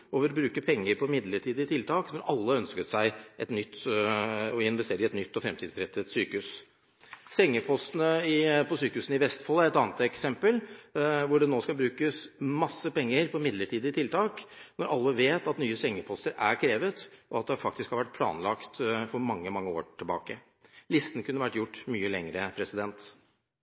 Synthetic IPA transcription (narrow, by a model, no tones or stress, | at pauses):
oːʋəɾɔbɾʉːkəpʰɛŋːəɾpʰɔmɪd̪ləʈʰiːd̪ɪt̪ʰɪlt̪ʰɑːknɔɾʔɑlːəœnskət̪sæɪʔɛt̪nʏt̪ː | ɔɪnʋɛst̪eːɾəɛt̪nʏt̪ːɔfɾɛmt̪ʰiːd̪sɾɛt̪ʰːət̪syːkəʉs | sɛŋːəpʰɔst̪ənəɪpʰɔsyːkəʉːsn̩ɪʋɛst̪fɔlːəɾɛt̪ɑːnət̪ɛksɛmpəlʋʊɖɛnoːskɑbɾʉːkəsmɑsːəpɛŋːəɾpʰɔmɪd̪ləʈʰiːd̪əɪt̪ʰɪlt̪ʰɑːknɔɾʔɑlːəʋeːt̪ɑt̪nyːəsɛŋːəpʰɔst̪əɾæ̰ɾkʰɾeːʋət̪ʔɔɑt̪̚d̪ɛhɑɾfɑk̚t̪ɪskhɑɾʋæʈ̚ːpʰlɑ̰ːnlɑkt̪fɔɾmɑŋːəmɑŋːəo̰ːʈʰɪlbɑ̰ːkə | lɪst̪ənkʰʉnːəʋæʈːjʊʈːmyːəlɛŋɾəpʰɾɛsɪd̪ɛnt̪